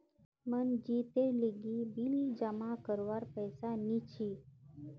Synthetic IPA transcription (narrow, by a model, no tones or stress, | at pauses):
mənd͡ʑit̪eɾliɡibilid͡ʒəmakəɾʋaɾpəjsanit͡ɕʰi